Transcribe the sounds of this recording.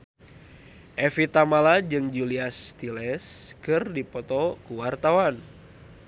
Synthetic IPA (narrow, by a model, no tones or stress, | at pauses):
ʔɛfit̪amalad͡ʒɨŋd͡ʒuliast̪ilɛskɨrdipɔt̪ɔkuwart̪awan